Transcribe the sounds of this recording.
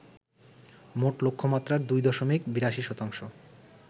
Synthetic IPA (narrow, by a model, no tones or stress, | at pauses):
moʈlokʰːomat̪ːɾaɾd̪ujd̪ɔʃomikbiɾaʃiʃɔt̪aŋʃo